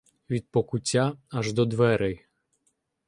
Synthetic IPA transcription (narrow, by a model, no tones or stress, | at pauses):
ʋʲid̪̚pɔkʊtʲːaɐʒd̪ɔd̪ʋɛɾɛj